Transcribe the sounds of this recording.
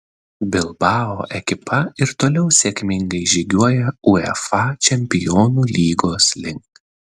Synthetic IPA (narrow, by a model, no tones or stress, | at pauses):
bʲɪlˠbɑːo̰ːʔɛkʲɪpɐɪɾt̪oːlʲɛʊsʲeːkʲmʲɪŋɡɐɪʒʲiːɡʲuɔjɛuɛfɑt͡ʃʲɛmʲpʲɪjɔːnuːlʲiːɡoːslʲɪŋk